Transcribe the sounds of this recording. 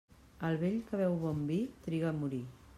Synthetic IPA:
əlˠβeʎkəβɛwβɔmbit̪ɾiɣamuɾi

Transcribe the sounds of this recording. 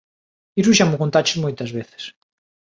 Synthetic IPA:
isuʃamʊkont̪at͡ʃɪ̥zmojt̪ɐzβeθe̥s

